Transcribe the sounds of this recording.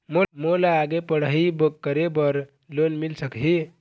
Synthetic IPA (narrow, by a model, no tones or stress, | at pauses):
momolaaɡepəɽ̤aɦibəkkːəɾebəɾ | lonmilsəkɦi